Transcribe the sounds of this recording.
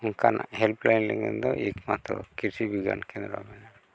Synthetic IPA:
uŋkanahɛlplajnlɛŋɛnd̪ɔʔekmat̪ɾɔkiɾsibiɡa̰nkʰɛnd̪ɾamɛnaɾ

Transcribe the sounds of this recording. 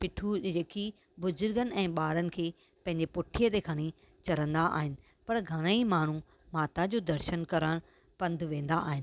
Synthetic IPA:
pɪʈʰud͡ʑeːki | bʊzʊɾɡənɪ̆ɛ̃ːɓaːɾənɪ̆kʰeː | pɐ̃ɦɪ̃ɲd͡ʑepʊʈʰijət̪ekʰɐɽ̃i | t͡ɕɐɾə̃nd̪aa̰ːɦɪnɪ̆ | pɐɾɡʱɐɽ̃əimaːɳ̤u | maːt̪ad͡ʑoːd̪ɐɾʃənkɐɾəɽ̃ | pɐ̃nd̪ʱʋẽːn̆d̪aa̰ːɦɪnɪ

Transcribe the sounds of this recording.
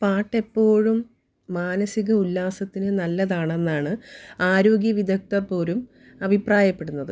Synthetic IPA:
paːʈːe̞pːo̞ːɻumː | aːnɐsiɣɐulːaːsɐt̪ːinɨnɐlːɐðaːɳe̞nːaːɳɨaːɾo̞ːɡjɐʋid̪ʱɐk̚t̪ɐpːo̞ːɾum | ɐbʱipraːjɐpːe̞ɽunːɐðɨ

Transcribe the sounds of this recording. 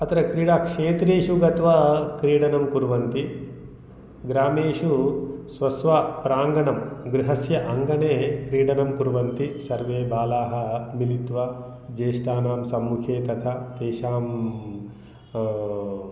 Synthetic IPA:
ɐt̪ɐɾɐkɾiːɽakʂeːt̪ɾeːʃuɡɐt̪ʋɐkɾiːɽɐnɐmkuɾʋɐnt̪i | ɡɾaːmeːʃusʋɐsʋapɾaːŋɡɐɳɐmɡɾiɦɐsjɐʔɐŋɡɐɳeːkɾiːɽɐnɐmkuɾʋɐnt̪isɐɾʋeːbaːlaːɦɐ̆milit̪ʋɐ | d͡ʒeːʃʈaːnaːmsɐmːukʰeːt̪ɐt̪ʰɐt̪eːʃaːm

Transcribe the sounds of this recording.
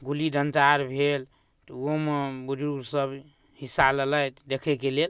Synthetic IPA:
ɡulidənʈaɾbʱel | t̪ɔomebud͡ʒuɡsəb | hisalələt̪d̪ekʰɛkelel

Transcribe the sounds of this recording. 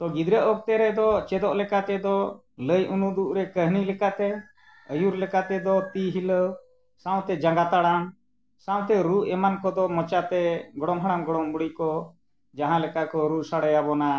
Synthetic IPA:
t̪ɔɡid̪ɾəʔɔk̚t̪ɛɾɛd̪ɔt͡ʃɛd̪ɔʔlɛkat̪ɛd̪ɔ | ləjʔunud̪uʔɾɛkəɦnilɛkat̪ɛ | əjuɾlɛkat̪ɛd̪ɔt̪iɦiləw | sãw̃t̪ɛd͡ʒaŋɡat̪aɽan | sãw̃t̪ɛɾuʔɛmankɔd̪ɔmɔt͡ʃat̪ɛɡɔɽɔmɦaɽ̃anɡɔɽɔmbuɽikɔ | d͡ʒaɦãlɛkakɔɾusaɽajabɔna

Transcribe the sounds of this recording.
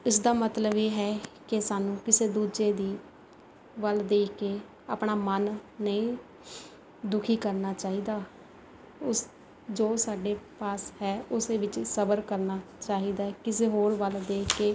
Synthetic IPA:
ɪsd̪aːmət̪ləbeːɦɛːkɪsaːnũːkɪseːd̪uːd͡ʒeːd̪iː | ʋəld̪eːkʰkeː | a̰ːpɳaːmənːəĩː | d̪ʊkʰiːkəɾnaːt͡ʃaːɦiːd̪aː | ʊs | d͡ʒoːsaːɖeːpaːshɛːʊseːʋɪt͡ʃsəbəɾkəɾnaː | t͡ʃaːɦiːd̪aːkɪseːɦoːɾʋəld̪eːkʰkeː

